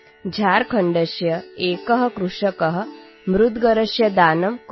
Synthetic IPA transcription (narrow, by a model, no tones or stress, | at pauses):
d͡ʒʱaːɾkʰɐɳɖɐʃjɐeːkɐɦɐ̆kɾuʂɐkɐɦɐ̆ | mɾud̪ɡɐɾɐʃjɐd̪aːnɐmk